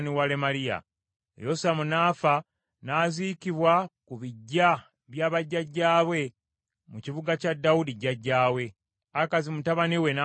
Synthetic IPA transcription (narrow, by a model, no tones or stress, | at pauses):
niwalemalija̰ | josamunaːfa | naːzikiβwakuβiɟːa | βjaːβaɟːaɟːaːβwe̞ | muciβuɡacadːawudiɟaɟːaːwe̞ | akazimutaβaniwe̞na